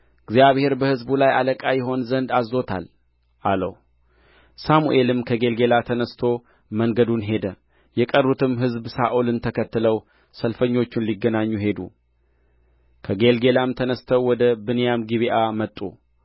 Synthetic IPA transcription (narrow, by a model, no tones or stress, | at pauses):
ɨɡzijaβhe̞ɾbəhɨzbulajaləkʼajɪɦo̞nzənd̪azːo̞t̪ʰa̰l | ʔalə̰w | samṵʔe̞lɨmkʰəɡe̞lɡe̞lat̪ʰənəst̪ʰo̞ | məŋɡəd̪unɦe̞d̪ə | jɛkʼərːut̪ʰɨmɦɨzbsaʔolɨnt̪ʰəkʰət̪ːɨləw | səlfəɲːo̞t͡ʃːɪnliɡːənaɲːuɦe̞d̪ṵ | kʰəɡe̞lɡe̞lamt̪ʰənəst̪ʰəwwːɔd̪əbɨnjamɡiβiʔamət̪ʼːṵ